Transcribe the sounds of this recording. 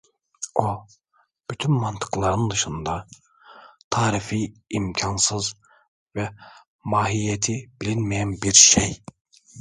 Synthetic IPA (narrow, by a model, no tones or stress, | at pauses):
o | b̥yt̪ʰynmant̪ʰɯ̥klˠaɾɯnd̪ɯʃɯnd̪a | t̪ʰaːɾifijimcʰansɯz | vɛ | maːɦijet̪ʰib̥ilʲinmijænbiɾʃej